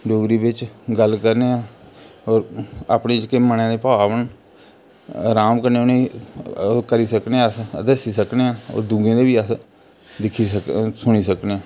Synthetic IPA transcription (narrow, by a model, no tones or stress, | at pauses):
ɖoːɡɾiːbɪt͡ʃɡəlkəɾneːãːɔːɾa̰ːpɳeːt͡ʃkeːmənãːd̪eːpaːʋən | ɾaːmkəɾneonei | kəɾiːsəkneːãəsd̪əsiːsəkneãːo̰ːd̪ũːɡẽːd̪eːbiːəs | d̪ɪkʰiːəksʊɽ̃iːsəkneːãː